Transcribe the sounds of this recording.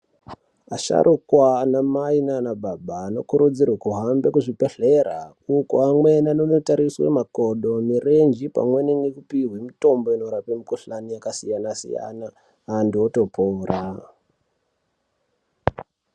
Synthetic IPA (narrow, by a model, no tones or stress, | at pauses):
aʃa̰ɾʔukwanamainanababaːno̞̰kuɾud͡zirwakuɦambekuʐipeɬeɾa̰ | ukoamwenanonotaɾiswḛmakoɗomire̞nd͡ʒipa̰mweneŋɡekupiɦwemito̞mbo̞inoɾapemikoɬanijakasijanasḭja̰naː | ndioto̞poːra